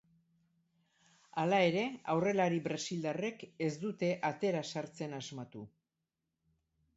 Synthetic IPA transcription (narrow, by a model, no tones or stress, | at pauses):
alae̞ɾe̞awre̞laɾibɾasild̪are̞ke̞zd̪ut̪e̞ʔat̪e̞ɾasaɾt͡se̞nazmat̪u